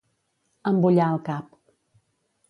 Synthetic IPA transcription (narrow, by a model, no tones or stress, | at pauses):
əmbuʎaəlˠkap̚